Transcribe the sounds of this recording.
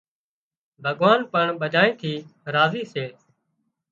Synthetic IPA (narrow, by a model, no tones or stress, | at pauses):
bʱəɠʋaːnpəɳɓəd͡ʒaːĩːt̪ʰiːɾaːziːseː